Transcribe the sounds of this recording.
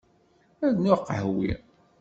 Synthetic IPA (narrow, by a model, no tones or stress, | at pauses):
æðnʊqːhwḭ